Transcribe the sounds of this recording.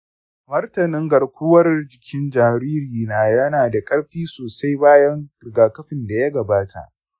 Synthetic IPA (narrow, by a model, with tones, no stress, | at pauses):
mɐ˦rtɐ˨nɪ˦ŋɡɐ˨ɽkʷʊ˦wɐ˦rd͡ʒɪ˨kʲʰɪ˦nd͡ʒaː˨ɾiː˦ɾiː˨naː˨jɐ˦naː˨da˨kʼɐ˦ɽɸiː˦soː˨sa˦jbaː˦jɐ˦ŋ˨ɡaː˨kɐ˦ɸɪ˨nda˨jɐ˦ɡɐ˨baː˦tʰa̰˨ʔ